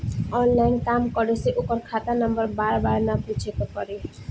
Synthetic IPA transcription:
ɔnlajnkamkɔɾeseʔokɔɾkʰat̪anɔmbɔɾbaɾbaɾnaput͡ʃʰek̪ɔkɔɾe

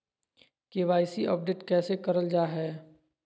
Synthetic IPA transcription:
keːʋaːɪsiɔ̰ːp̚ɖeːʈkɛːsekɐɾəld͡ʒaːɦɛː

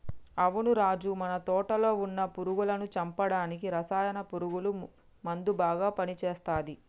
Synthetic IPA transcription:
ɐʋunuɾaːd͡ʒumɐnɐt̪ɔːʈɐlo̞ːunːɐpuɾuɡulɐnut͡ʃɐmpɐɽaːnikiɾɐsaːjɐnɐpuɾuɡulu | mɐnd̪ubaːɡaːpɐnit͡ʃeːst̪aːd̪i

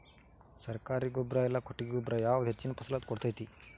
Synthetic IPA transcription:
sɐɾkaːɾiɡɔbɾɐɛlːɐkoʈːiɡeɡɔbɾɐjaːʋud̪ɦet͡ʃːinɐpɐsɐlat̪kɔɽt̪ajt̪i

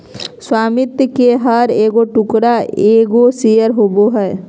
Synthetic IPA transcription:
swaːmɪt̪jkeɦəɾeːɡoʈʊkɾaeːɡosijəɾɦoboɦɛː

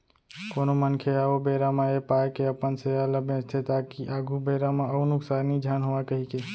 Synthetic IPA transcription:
konomənkʰeaːʋobeɾamãepaːekeəpənsealəbẽt̪ʰet̪akiʔaːɡʱubeɾamãəʊnʊksaːɾnid͡ʒʱaːnɦoʋakəɦike

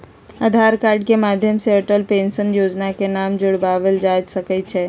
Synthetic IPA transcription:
ad̪ʱaːɾkaːɾɖkemaːd̪ʱjəmseəʈəlpẽːnsənjoːd͡ʒnakenaːmd͡ʒʊɽbaːʋəld͡ʒaːd͡ʒsəkət͡ʃʰɛ

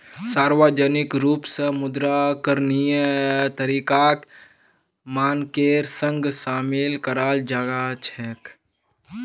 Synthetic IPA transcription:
saːɾʋəd͡ʒənɪkɾuːpsəmʊd̪ɾakəɾnijt̪əɾiːkaːk | maːnkeːɾsə̃ŋɡsaːmɪlkəɾaːld͡ʒaːɡat͡ʃʰɛk

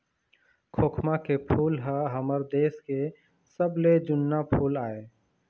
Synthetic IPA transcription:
kʰoːkʰmakepʰuːlɦaɦəməɾd̪eːske | səbled͡ʒʊnːapʰuːlaːeː

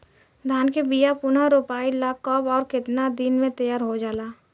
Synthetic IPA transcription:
d̪ʱaːnkebijapʊnaɾopaːilakːɔːbɔːɾkɪt̪nad̪inmẽt̪əjaːɾɦod͡ʒaːlaː

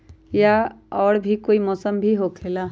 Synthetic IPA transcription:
ja | ɔːɽbʱikoːimɔːsəmbʱiɦokʰeːla

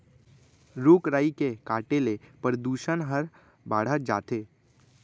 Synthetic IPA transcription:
ɾoːkɾaːikekaːʈelepɾəd̪uːʃənɦəɾ | baːɽ̤əd͡ʒa̰ːt̪eː

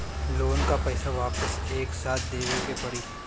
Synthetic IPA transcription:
loːnkapɛːsaʋaːpəseːksaːt̪̚ʰd̪eːʋekebɐɽi

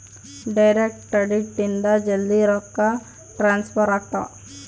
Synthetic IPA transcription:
ɖɐjɾek̚ʈɐɖiʈːind̪ɐd͡ʒelːiɾɔkːa | ʈɾaːnspʰɐɾaʈːɐ̰

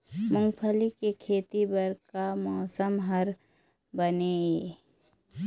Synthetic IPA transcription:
mʊ̃ŋɡpʰəlikekʰeːt̪ibəɾkamɔːsəmɦəɾ | bəneeː

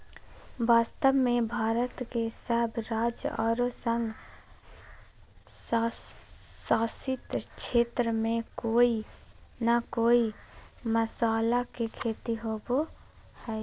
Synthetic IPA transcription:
baːst̪əbmẽbʱaːɾət̪kesəbɾaːd͡ʒɔ̰ːɾosəŋɡ | s | saːsɪt̪t͡ʃʰeːt̪ɾəmẽkoːinakoːiməsaːlakekʰeːt̪iɦobo | hɛː

